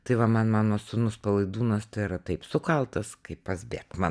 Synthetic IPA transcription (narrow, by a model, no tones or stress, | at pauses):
t̪ɐɪʋɐmɐnmɑːnoːsʊnʊspɐlˠɐɪd̪uːnɐst̪ɐɪɾɐt̪ɐɪpsʊkɐlˠt̪ɐskɐɪppɐsʲbʲeːkmɑ